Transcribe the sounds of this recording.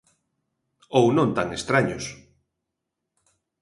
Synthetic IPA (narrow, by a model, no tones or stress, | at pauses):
ownõnt̪aŋest̪ɾaɲos